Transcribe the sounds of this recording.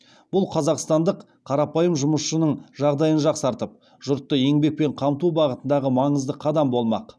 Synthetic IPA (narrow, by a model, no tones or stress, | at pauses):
b̥ʊlˠqʰɑzɑqst̪ɑnd̪əq | qʰːɑɾɑpɑjəmʒʊməsʃənəɴʒɑʁd̪ɑjənʒɑqsɑɾt̪əp̚ | ʒ̥ʊɾt̪ːəje̞ŋbe̞k̚pe̞ɴqʰɑmt̪ubɑʁət̪ənd̪ɑʁəmɑɴəzd̪əqʰɑd̪ɑmbo̞lˠmɑ̰q